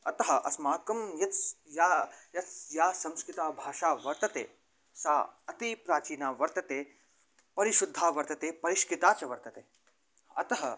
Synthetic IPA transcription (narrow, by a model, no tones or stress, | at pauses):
ɐt̪ɐɦɐʔɐsmaːkɐmjɐt̪sjaːjɐt̪sjaːsɐ̃mskɾɪt̪aːbʱaːʂaːʋɐɾt̪ɐt̪ḛː | saːɐt̪ipɾaːt͡ʃiːnaːʋɐɾt̪ɐt̪eː | pɐɾiʃud̪ʱːaːʋɐɾt̪ɐt̪eːpɐɾiʃkɪt̪aːt͡ʃɐʋɐɾt̪ɐt̪eː | ɐ̰t̪ɐɦɐ